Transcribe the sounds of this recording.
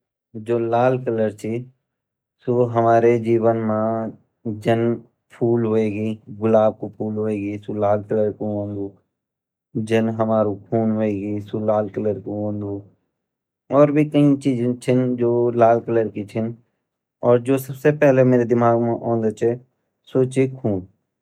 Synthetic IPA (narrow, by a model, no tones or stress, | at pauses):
d͡ʒoːlaːlkələɾt͡ʃʰi | soɦɐmaːɾed͡ʒiːʋənmã | d͡ʒən | pʰuːlɦoeːɡiːɡʊlaːb̚kopʰuːlɦoeːɡisulaːlkələɾkoɦõːnd̪uː | d͡ʒənɦəmaːɾukʰuːnɦoeːɡisulaːlkələɾkoɦõːnd̪uː | ɔːɾbʱikɐɦĩt͡ʃiːd͡ʒẽt͡ʃʰɪnd͡ʒoːlaːlkələɾkit͡ʃʰɪn | ɔːɾd͡ʒoːsəbsepɛɦlemeːɾed̪ɪmaːɡmẽʔɔ̃ːnd̪ət͡ʃʰe | soːt͡ʃikʰuːn